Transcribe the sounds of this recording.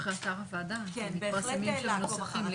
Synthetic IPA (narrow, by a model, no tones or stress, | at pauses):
χesaʁavaːd̪amitpaʁsemimʃenosafiml